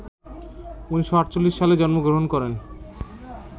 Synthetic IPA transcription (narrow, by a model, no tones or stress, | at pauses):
uniʃoaʈt͡ɕolːiʃːaled͡ʑɔnmoɡɾoɦonkɔɾen